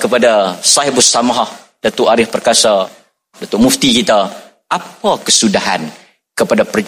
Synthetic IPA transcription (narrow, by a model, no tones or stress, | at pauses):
kəpadasaɦibʊsamaɦah | d̥at̪uʔaɾɪhpərkasa | dat̪uʔmuft̪ikit̪a | ʔapakəsudaɦa̰n | kəpadapər